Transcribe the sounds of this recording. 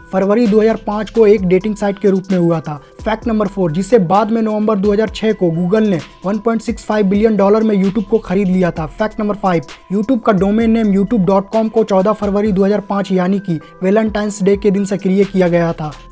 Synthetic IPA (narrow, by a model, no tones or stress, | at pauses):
fɐɾʋəɾid̪oːɦəzaːɾpãːt͡ʃkoeːkɖeːʈɪ̃ŋɡsaːɪʈkeɾuːpmẽɦʊjat̪ʰaː | fʰɛːk̚ʈnɐ̃mbəɾfʰoːɾd͡ʒɪsːebaːd̪mẽnoʋə̃mbəɾd̪oːɦəzaːɾt͡ʃʰɛːkoɡuːɡəlne | ʋɐnpɔ̃ːɪɳʈsɪkspaːɪʋbɪlijənɖɔːləɾmẽjuːʈjuːb̚koxɐɾiːd̪lijat̪ʰaːpʰɛːk̚ʈnɐ̃mbəɾfaːɪbjuːʈjuːb̚kaɖoːmeːnːeːmjuːʈjuːb̚ɖɔːʈ̚kɔːmkot͡ʃɔːd̪apfʰɐɾʋəɾid̪oːɦəzaːɾpãːt͡ʃjaːniki | ʋeːlə̃ɳʈaːɪnsɖeːked̪ɪnsɐkɾijekijaɡɐjat̪ʰaː